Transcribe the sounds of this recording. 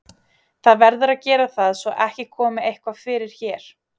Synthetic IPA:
θaðvɛɾðʏɾaðcɛːɾaθaðsɔʔɛhcɪkʰɔːmɪejhkvafɪːɾɪɾ̥çɛːɾ̥

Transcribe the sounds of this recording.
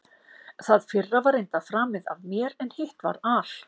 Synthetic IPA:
θaðfɪrːavaɾejnt̪afɾaːmɪða̰vmjɛɾɛnhɪht̪va̰ɾal̥

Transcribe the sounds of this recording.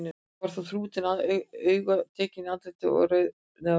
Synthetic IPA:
nɪ | aɾ̥θaθɾuːt̪ɪnaðœːɥɣat̪ʰɛːcɪnat̪lɪt̪ɪɔ̰ɣɾœð | na

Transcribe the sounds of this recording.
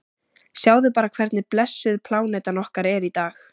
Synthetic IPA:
sjaːwðɪpaːɾakʰvɛɾt̪nɪplɛsːʏðpʰlaːwnejt̪anɔhkaɾɛɾit̪aːx

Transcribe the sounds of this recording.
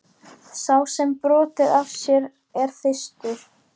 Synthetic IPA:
sawsɛmpɾɔːt̪ɪðavsjɛɾ | ɛɾ̥θɪst̪ʏɾ̥

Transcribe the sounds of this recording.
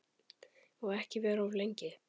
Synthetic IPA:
ɔɣɛhcɪvɛːɾɔvlejɲcɪ

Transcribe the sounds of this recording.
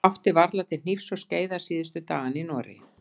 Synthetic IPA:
awht̪ɪvaɾðlat̪θɪ̥n̥ifsɔɣsceːjðḁsiːðɪst̪ʏt̪aːɣaninɔːɾɪ̰

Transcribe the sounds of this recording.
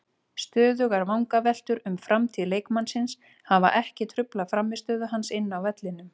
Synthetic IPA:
st̪œːðʏɣaɾvawŋkavɛl̥t̪ʏɾʏmfɾʔamt̪ʰiːðleːjkmansɪns | hava̰ʔɛhcɪt̪ʰɾʏplafɾamːɪ̥st̪œːðʏɦansɪnːawvɛt̪lɪnʏm

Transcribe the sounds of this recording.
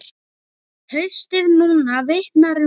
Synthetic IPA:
hœɥst̪ɪðnuːnavejht̪naɾʏ

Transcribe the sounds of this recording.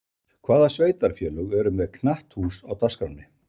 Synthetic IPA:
kʰvaːðasveːjt̪aɾ̥fjɛːlʏɣɛɾʏmɛðkʰnaht̪huːsawt̪ʰaskɾawnɪ

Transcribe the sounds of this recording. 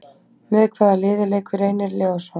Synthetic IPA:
mɛðkʰvaːðalɪːðɪlejkʏɾeːjnɪɾlɛɣaso

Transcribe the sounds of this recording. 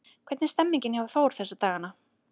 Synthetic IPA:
kʰvɛɾt̪nɪst̪ɛmːiɲcɪnhavaθoːwɾ̥θɛsːat̪aːɣana

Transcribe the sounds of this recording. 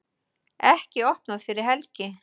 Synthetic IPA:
ɛhcɪɔhpnaðfɪɾɪɾ̥ɦɛlcɪ

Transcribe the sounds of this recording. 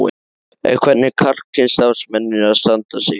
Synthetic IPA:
ɪ̰ | ɛ̰kʰvɛt̪nɪkʰar̥kʰːɪnst̪awsmɛnːɪaðst̪ant̪asjɛ

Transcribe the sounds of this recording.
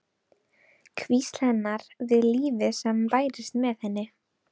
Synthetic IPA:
kʰvisl̥ɛnːaɾ̥ðɪliːðʏsɛmpaːjɾɪst̪mɛðhɛnːɪ

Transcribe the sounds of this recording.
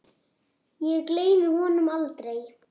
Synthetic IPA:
jɛɣkleːjvɪhɔnʏmalt̪ɾej

